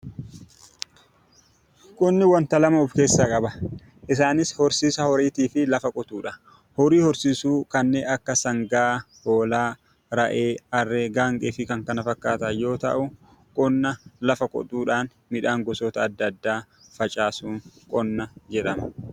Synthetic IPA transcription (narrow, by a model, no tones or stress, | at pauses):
kʼʊnːɪwɐnt̪ɐlɐmɐʊfke̞ːsːaːkʼɐbɐ | ʔɪs̬aːnɪshɔɾsiːsɐhɔɾeːt̪iːfɪlɐfɐkʼɔt̪ʼuːᶑɐ | hɔɾiːhɔɾsiːsuːkɐnːeːʔɐkːɐsɐŋɡaː | hoːlaː | ɾɐʔeːɐrːeːɡaːŋkʼeːfɪkɐŋkɐnɐfɐkːaːt̪ɐajo̞ːt̪ɐ̰ʔʊ | kʼɔnːɐlɐfɐkʼɔ̰t̪ʼuːᶑaːn | mɪᶑaːŋɡɔsɔt̪ɐːd̪ːɐːd̪ːaː | fɐt͡ʃʼaːsuːŋkʼɔnːɐd͡ʒɛᶑɐmɐ